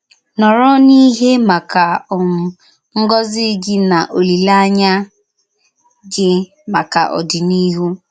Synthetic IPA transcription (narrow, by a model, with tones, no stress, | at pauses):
nɔ˨ɾɔ˦ni˦ɦe˦ma˨ka˨ʊ˨m̩˨ | ŋ̩˦ɡɔ˦zɪ˦ɡɪ˦na˨ʔo˨li˨la˦ɲa˦ | d͡ʒɪ˦ | ma˨ka̰˨ʔɔ̰˨dɪ˨ni˦ɦu˦